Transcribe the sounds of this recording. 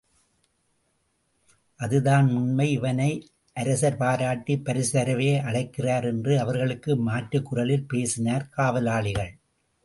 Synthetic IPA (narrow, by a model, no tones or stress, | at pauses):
ʔɐðɯðaːnmʊnmɐɪɪʋɐnɐɪ | ʔɐɾɐsɐɾpaːɾaːʈːipːɐɾɪsɐɾɐʋeːʔɐɽɐɪkːɪraːɾɛndrɯɐʋɐɾɣɐɭɯkːɯmaːʈːɯkːʊrɐlɪlpeːsɪnaːɾkaːʋɐlaːɭɪɣɐɭ